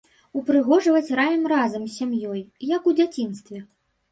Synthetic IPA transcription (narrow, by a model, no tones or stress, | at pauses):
upɾɨɣɔʐɨvɐt͡sʲrajɛmrazɐmsʲamjɔjjɐkud͡zʲat͡sʲinst̪vʲɛ